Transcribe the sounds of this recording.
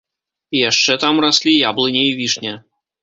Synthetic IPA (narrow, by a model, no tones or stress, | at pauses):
ijaʂt͡ʂɛt̪amɾasʲlʲijablˠɨnʲɛivʲiʂnʲɛ